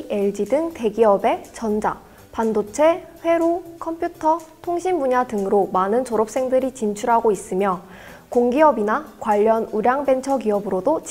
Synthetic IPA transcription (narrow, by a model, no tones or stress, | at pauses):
eɭd͡ʑidɯŋte̞ɡiʌbe̞t͡ɕʌnd͡ʑa̰ | pandot͡ɕʰe̞ɸwe̞ɾukʰʌmpʰjutʰʌtʰoŋɕʰimbuɲadɯŋɯɾomanɯnt͡ɕoɾʌp̚s͈e̞ŋdɯɾit͡ɕint͡ɕʰuɾɦaɡois͈ɯmjʌ | koŋɡiʌbinakwaʎːʌnuɾjaŋbe̞nt͡ɕʰʌɡiʌbɯɾodot͡ɕ